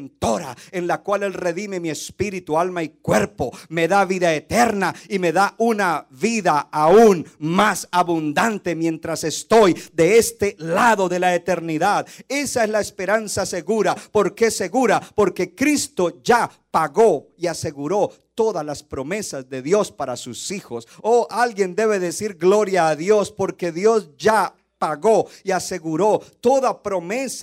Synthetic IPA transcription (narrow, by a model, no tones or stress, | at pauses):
nt̪o̞ɾaenlakwale̞lre̞ðime̞mie̞spiɾit̪ualmaikwe̞ɾpo̞me̞ðaβiðae̞t̪e̞ɾnaime̞ðaʔunaβiðaaunmasaβund̪ant̪e̞mje̞nt̪ɾase̞st̪o̞jd̪e̞est̪e̞laðo̞ðe̞laet̪e̞ɾniðaðe̞saezlaespe̞ɾansase̞ɣuɾapo̞ɾke̞se̞ɣuɾapo̞ɾke̞kɾist̪o̞d͡ʒa | paɣo̞iase̞ɣuɾo̞t̪o̞ðalaspɾo̞me̞sazðe̞ðjo̞spaɾasusixo̞soʔalɡje̞nd̪e̞βe̞ðe̞siɾɡlo̞ɾjaːðjo̞spo̞ɾke̞ðjo̞sd͡ʒa | paɣo̞iase̞ɣuɾo̞t̪o̞ðapɾo̞me̞s